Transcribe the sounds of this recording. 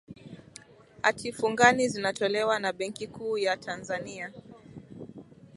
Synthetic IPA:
ha̰tʰifuŋɡanizinatɔlɛwanaɓɛŋkikuːjatʰanzania

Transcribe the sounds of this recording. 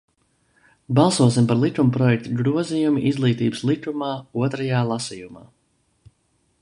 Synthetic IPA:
balˠsuɔs̬impaɾlˠit̪ɾumpɾɔjɛk̚t̪uɡɾuɔzijumiʔizlˠiːt̪iːbɨslˠit̪ɾumaːuɔt̪ɾajaːlˠasijuma̰ː

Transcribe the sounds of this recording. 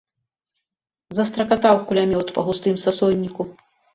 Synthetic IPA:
zɐst̪ɾɐkat̪awkulʲamʲiwt̪pɐɣust̪ɨmsasɔjnʲːiku

